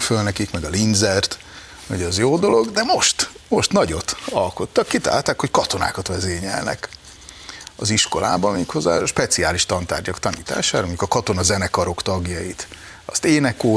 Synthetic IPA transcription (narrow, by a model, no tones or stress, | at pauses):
følnɛkikmɛɡɒlind̪zɛrt̪ | ɛɟɛzjoːd̪o̞lo̞ɡd̪ɛmo̞ʃt̪mo̞ʃt̪nɒɟo̞t̪ɒlko̞t̪ːɒkːit̪a̰ːlt̪aːkho̞ckɒt̪o̞na̰ːkɒt̪ʋɛzeːɲɛ̰lnɛ̰k | ɒziʃko̞la̰ːbɒmiːkʰho̞zːa̰ːʃpɛt̪siaːliʃt̪ɒnt̪a̰ːrɟɒkt̪ɒniːt̪a̰ːʃaːɾɒmo̞ɲɟukɒkɒt̪o̞nɒzɛnɛkɒɾo̞kt̪ɒɡjɒjit̪ | ɒ̰st̪eːnɛkːoː